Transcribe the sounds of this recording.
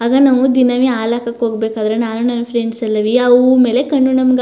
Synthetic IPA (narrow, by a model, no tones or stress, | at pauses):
aːɡɐnɐʋud̪inɐʋiaːlakɐkːɦoːɡbeːkaːd̪ɐɾenaːnunɐnːɐpʰɾeɳɖsɐlːɐʋiɐʋume̞ːle̞kɐɳːunɐmɐɡ